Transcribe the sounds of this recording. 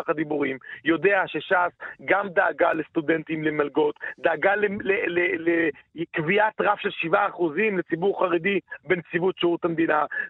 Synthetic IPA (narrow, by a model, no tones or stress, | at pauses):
χad̪ibuʁimjo̞d̪e̞aʃe̞ʃasɡamd̪aːɡalest̪ud̪e̞nt̪imlemalɡo̞t̪d̪aaɡalelelelekviat̪ʁafʃe̞lʃivaːχuzimlet͡sibuʁχaʁed̪ibent͡sivutʃeutamd̪ina